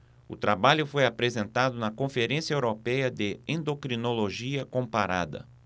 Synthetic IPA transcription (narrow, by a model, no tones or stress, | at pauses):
ʊ̰t̪ɾabaʎʊfojapɾezẽnt̪ad̪ʊnɐkõfeɾẽsjɐewɾopɛjɐd̪ɪẽnd̪okɾinoloʒiɐkõmpaɾa̰d̪ɐ̰